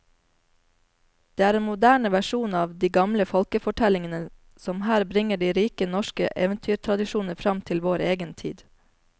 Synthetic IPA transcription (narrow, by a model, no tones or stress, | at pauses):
d̪̥eːæːɾeːnmʊd̪æːɳəʋæʃuːnɑːʋd̪iːɡɑmləfɔlkəfɔʈʰɛlɪŋənə | sɔmhæːɾbɾɪŋəɖiːɾiːkənɔʃkəʔeːʋənt̪ʰyːt̪ʰɾɑd̪ɪʃuːnəɾfɾɑmt̪ʰɪlʋoːɾeːɡənt̪ʰḭːd̪